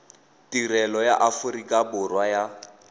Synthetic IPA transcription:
tʼirɛlɔja̰ʔafʊɾikʼabʊrwaja

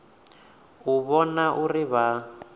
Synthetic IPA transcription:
uβɔnaʔuriβa

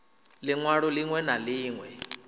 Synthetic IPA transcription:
lɪŋwaɺɔliŋwɛnaliːŋwɛ

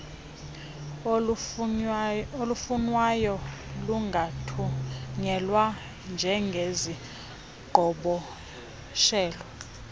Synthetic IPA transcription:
olufunwajɔluŋɡʱauŋɛlwa | nd͡ʒʱɛŋɡʱezi | ɡ̥ʱɔɓɔ | ʃɛːlwa

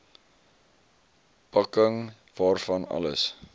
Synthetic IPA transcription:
pɐkəŋ | vɑːrfɐnɐ̰ləs

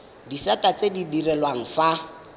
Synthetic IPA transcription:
disatʼat͡sʼedidirɛlwaŋ̩fa

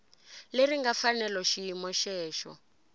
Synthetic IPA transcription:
leriŋɡafanɛlɔʃiimɔʃɛːʃɔ̰

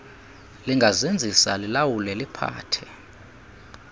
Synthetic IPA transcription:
liŋɡʱazend͡zʱisalilawulɛlipʰa̰ːtʰɛ̥

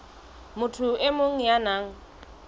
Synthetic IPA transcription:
mʊtʰʊɪmoŋ̩janaːŋ̩

